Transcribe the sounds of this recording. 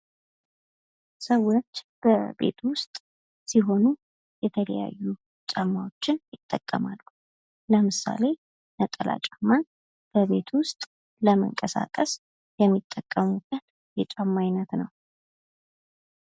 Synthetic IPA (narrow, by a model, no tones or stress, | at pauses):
səwːot͡ʃːb̥əbe̞̰t̪ʰwʊst̪ʼ | siɦo̞nu | jɛt̪ʰələja̰jːu | t͡ʃʼamːawot͡ʃːɪnjɪt̪ʼːəkʼːəmalːu | ləmɨsa̰le̞ | nət̪ʼːəla̰t͡ʃʼamːan | b̥əβe̞t̪ʰwʊst̪ʼ | ləmə̰ŋkʼəsa̰kʼəs | jɛmːit̪ʼːəkʼːəmukʼən | jɛt͡ʃʼamːajnət̪nəw